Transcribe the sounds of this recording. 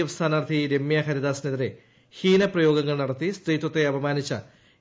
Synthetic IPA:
ɐʋɐst̪ʰaːnaːrt̪ʰiɾe̞mːjɐxɐɾid̪aːsneðiɾe̞ | hiːnɐprɐjo̞ːɡɐŋːɐɭnɐɽɐt̪ːist̪riːt̪wɐt̪ːe̞ɐbɐmaːnit͡ɕːɐ̰

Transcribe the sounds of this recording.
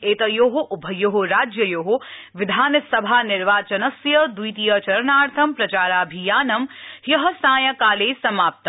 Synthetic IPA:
eːt̪ɐjoːɦoʔʊbʱɐjoɦoɾaːd͡ʒjɐjoːɦo | ʋɪd̪ʱaːnɐsɐbʱaːnɪɾʋaːt͡ʃɐnɐsjɐd̪ujt̪ijɐt͡ʃɐɾnaːɾt̪ʰɐmpɾɐt͡ʃaːɾaːbʱijaːnɐmhjɐɦɐ̆saːjɐkaːleːsɐmaːp̚t̪ɐ

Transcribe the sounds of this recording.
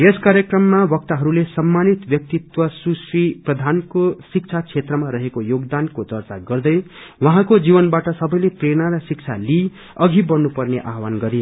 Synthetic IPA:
jeskaɾjekrʌmːabʌk̚t̪aɦʌɾulesʌmːanit̪bjʌk̚t̪it̪wʌsusriprʌd̪ʱankosik̚t͡sʰat͡sʰet̪rʌmaɾʌɦekojoɡd̪ankot̪ʌrt͡saɡʌrd̪ʌjwʌɦãkod͡zibʌnbaʈʌsʌbʌjlepreɽ̃aɾʌsik̚t͡sʰa̰li | ʌɡʱibʌnupʌrneʔaɦwanɡʌɾi

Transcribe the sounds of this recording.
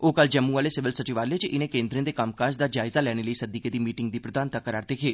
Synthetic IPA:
oːkəld͡ʒɛːmːũːʋaːleːsɪʋɪlsət͡ʃiʋaːɾleːt͡ʃʔɪnẽːkẽːnd̪ɾẽːd̪ekamkaːʃd̪aːd͡ʒaːɪzaːlɛːɽ̃eːləiːsəd̪iːkeːd̪iːmiːʈɪŋɡd̪iːpɾəd̪aːnt̪akəɾaːɾd̪eːkʰeː

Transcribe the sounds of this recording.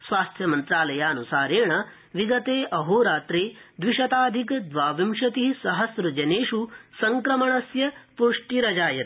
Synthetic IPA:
sʋaːst̪ʰjɐmɐnt̪ɾaːlɐjaːɐnusaːɾeːɳɐ | ʋiɡɐt̪eːʔɐɦoːɾaːt̪ɾeːd̪ʋiʂɐt̪aːd̪ʱikd̪ʋaːʋimʂɐt̪isɐɦɐsɾɐd͡ʒɐneːʂusɐŋkɾɐmɐɳɐsjɐpuʂʈiɾɐd͡ʒaːjɐt̪

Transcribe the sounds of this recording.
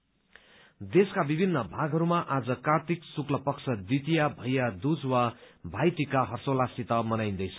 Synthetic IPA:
d̪eskabibʱinːʌbʱaɡʱɦʌɾumaʔad͡zʌkart̪ʰiksuklʌpʌksʰʌd̪it̪ijabʱʌjad̪ud͡zwabʱajt̪ikaɦʌrsolasit̪ʌmʌnajnd̪ʌjt͡sʰʌ̥

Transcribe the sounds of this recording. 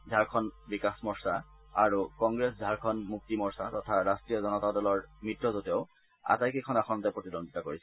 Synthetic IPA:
dʱaɹkʰɔnbikasmɔɹsaaɹukɔŋɡɹesdʱaɹkʰɔnmuk̚timɔɹsatɔtʰaɹastɹijɔzɔnɔtadɔlɔɹmitɹɔzotɔʊ | a̰tajkekʰɔnaxʰɔnɔtɛpɹotidɔnd̪ʱitakoɹisɛ

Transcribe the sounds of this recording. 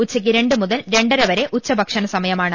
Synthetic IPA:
ut͡ɕːɐk̬ʲːɨɾe̞ɳɖɨmuðɐlɾe̞ɳɖɐɾɐʋɐɾe̞ʔut͡ɕːɐbʱɐkʂɐnɐsɐmɐjɐmaːɳɨ

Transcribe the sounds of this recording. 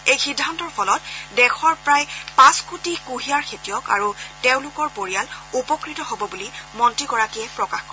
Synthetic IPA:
ejxidʱːantɔɹpʰɔlɔt̚dɛxɔɹpɹajpãskutikuɦiaɹkʰetijɔka̰ɹuteʊ̃lʊkɔɹpoɹijalupɔkɹitɔɦobɔbulimɔntɹikɔɹakiɛpɹɔkaxkɔɹ

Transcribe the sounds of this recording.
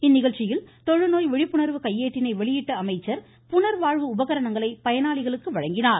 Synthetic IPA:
ɪnːɪɣɐɻt͡ʃːɪjɪlt̪ɔɻɯnoːjʋɪɻɪpːɯɳɐɾʋɯkɐjːeːʈːɪnɐɪʋɛɭɪjɪʈːɐɐmɐɪt͡ʃːɐɾ | pʊnɐɾʋaːɻʋɯʊbɐɣɐɾɐnɐŋɡɐɭɐɪpɐjɐnaːɭɪɣɐɭɯkːɯʋɐɻɐŋɡɪnaːɾ

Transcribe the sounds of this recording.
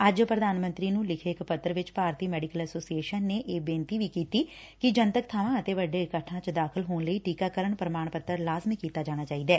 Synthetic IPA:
əd͡ʒpɾəd̪aːnmə̃nt̪ɾiːnũːlɪkʰeɪkpət̪ːəɾəʋɪt͡ʃpaːɾt̪iːmɛːɖɪkəlɛsoːsieːʃənːeːʔeːbẽːnt̪iːʋiːkiːt̪iː | kɪd͡ʒənt̪əkt̪ʰaːʋãːət̪eːʋəɖeːkəʈʰːãːt͡ʃd̪aːkʰəlɦoːnləiːʈiːkaːkəɾəɳpɾəmaːɳpət̪əɾlaːzmikiːt̪aːd͡ʒaːɽ̃aːt͡ʃaːiːd̪ɛː

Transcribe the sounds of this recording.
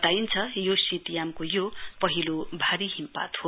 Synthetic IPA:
t̪aint͡sʰʌjosit̪ijamkojopʌɦilobʱaɾiɦimpa̰t̪ho

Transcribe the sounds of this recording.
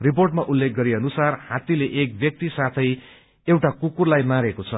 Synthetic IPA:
riporʈmaʔulːek̚ɡʌɾiʌnusarhat̪ileʔek̚bjʌk̚t̪isat̪ʰʌj | ewʈakukurlajmaɾekot͡sʰʌ

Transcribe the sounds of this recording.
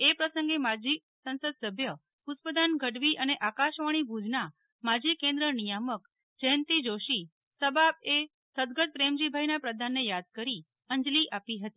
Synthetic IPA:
epɾəsəŋɡemad͡ʒi | sə̃nsəd̪səbʱjə | ʊt̪pəd̪anɡʱəɽʋiʔəneʔakaʃʋaɽ̃ibʱud͡ʒna | mad͡ʒikẽnd̪ɾənijamək | d͡ʒəjənt̪id͡ʒoʃi | səbab̚e | səd̪ɡət̪̚pɾemd͡ʒibʱajnapɾəd̪ʱanːejad̪̚kəɾi | ənd͡ʒliʔapiɦət̪i̥

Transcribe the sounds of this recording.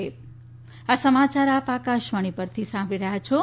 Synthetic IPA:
e | asəmat͡ʃaɾapakaʃʋəɽ̃ipəɾt̪ʰisãmbɾiɾəɦjat͡ʃʰo

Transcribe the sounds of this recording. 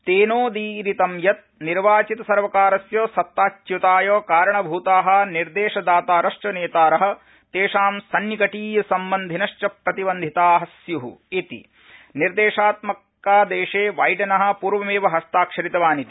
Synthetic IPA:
t̪eːnoːd̪iɾit̪ɐmjɐt̪̚niɾʋaːt͡ʃit̪ɐsɐɾʋɐkaːɾɐsjoːsɐt̪ːaːt͡ʃjut̪aːjoːkaːɾɐɳɐbʱuːt̪aːɦɐ̆niɾd̪eːʂɐd̪aːt̪aːɾɐʃt͡ʃɐneːt̪aːɾɐɦɐ̆ | t̪eːʂaːmsɐnjɐkɐʈiːjɐsɐmbɐnd̪ʱinɐʂt͡ʃɐpɾɐt̪ibɐnd̪ʱit̪aːɦɐsjuɦṵit̪ḭ | niɾd̪eːʂaːt̪mɐkː | aːd̪eːʂeːʋaːjʈɐnɐɦɐ̆puːɾʋɐmeːʋɐɦɐst̪aːkʂɐɾit̪ɐʋaːnit̪i̥

